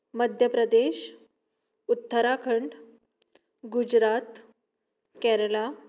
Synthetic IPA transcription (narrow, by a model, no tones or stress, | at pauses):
məd̪ʱjəpɾəd̪eɕ | ut̪ːəɾakʰəɳɖ | ɡud͡ʑɾat̪ | kɛɾəla